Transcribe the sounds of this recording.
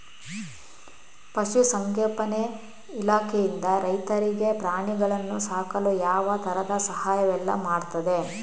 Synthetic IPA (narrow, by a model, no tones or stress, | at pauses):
pɐʃusɐŋkɛlpɐne | ilaːkʰejind̪ɐɾɐjt̪ɐɾiɡe̞pɾaːɳiɡɐɭɐnːusaːkɐlujaːʋɐt̪ʰɐɾɐd̪ɐsɐɦaːjɐʋɛlːɐ̰maːɽt̪ɐd̪e̞